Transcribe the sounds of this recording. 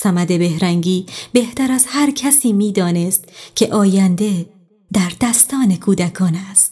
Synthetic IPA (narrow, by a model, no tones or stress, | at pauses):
sæmæd̪e̞be̞hɾæŋɡiːbe̞ht̪æɾæzhæɾcʰæsiːmiːd̪ɒːne̞st̪̚cʰe̞ʔɒːjænd̪e̞ | d̪æɾd̪̥æst̪ɒːne̞kʰuːd̪ækʰɒːnæst̪